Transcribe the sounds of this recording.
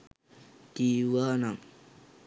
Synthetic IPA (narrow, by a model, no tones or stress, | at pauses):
t̪iwanam